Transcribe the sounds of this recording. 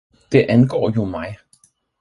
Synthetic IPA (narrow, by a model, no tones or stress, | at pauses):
d̥e̝ʔænɡ̥ɒ̰ːjo̝mɑ̈ɪ